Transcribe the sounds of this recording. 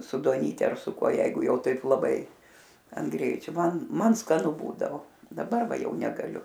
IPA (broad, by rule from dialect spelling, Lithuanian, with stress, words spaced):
sʊ duɔˈnʲiːtʲɛ ɐr sʊ ˈkuɔ ˈjɛɪɡʊ ˈjɛʊ ˈtɐɪp lˠɐˈbɐɪ ɐn ˈɡrʲɛɪt͡ʃʲoː ˈmɐn ˈmɐn skɐˈnʊ ˈbuːdɐʋoː dɐˈbɐr ˈʋɐ ˈjɛʊ nʲɛɡɐˈlʲʊ